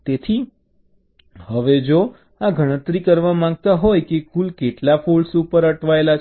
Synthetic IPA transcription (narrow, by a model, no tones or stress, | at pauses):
t̪et̪ʰi | həʋed͡ʒo | aɡʱəɽ̃ət̪ɾikəɾʋamãŋɡ̚t̪aɦojkekulkeʈlafulsupəɾəʈʰʋaela